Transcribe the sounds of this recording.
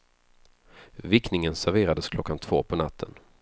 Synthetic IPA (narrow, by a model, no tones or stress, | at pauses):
vɪknɪŋənsæɾveːɾad̪əskʰlɔkːant̪ʰv̥oːpʰɔnat̪ʰːən